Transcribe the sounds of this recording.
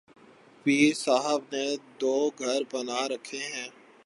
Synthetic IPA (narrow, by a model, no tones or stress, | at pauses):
piːɾsaːɦəbned̪oːɡʱəɾbənaːɾəkʰeɦɛ̃ː